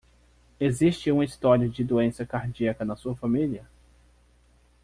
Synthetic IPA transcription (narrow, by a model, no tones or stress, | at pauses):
ezist͡ʃɪũɐist̪ɔɾiʊd͡ʒɪd̪oẽsɐkaɾd͡ʒiɐkɐnɐsuɐfamiliɐ